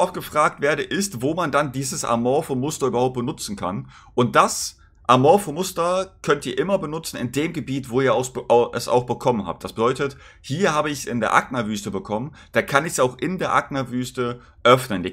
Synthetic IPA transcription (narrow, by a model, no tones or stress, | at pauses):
ʔɔft̚ɡ̥əfʁ̥aːk̚tv̥eːɐɾəʔɪstvoːmandandiːzəsʔa̰ɐmɔːfomʊstɐyːbɐhaʊpt̚b̥ənʊt͡sn̩kʰa̰n | ʔʊnt̚d̥as | ʔaɐmɔːfomʊstɐkʰœntiːɐʔɪmɐbənʊt͡sn̩ɪ̰ndeːmɡəbiːtv̥oːiːɐaʊsʔʔɛsa̰ʊxb̥əkʰɔmənha̰ːp̚t̚d̥asb̥ədɔʏtət | hiːɐhaːbəɪçsɪ̰ndeːɐʔa̰k̚nɐvyːstəbəkʰɔmən | d̥aːkʰanɪçsaʊxʔɪndeːɐʔa̰k̚nɐvyːstə | ʔœfnəni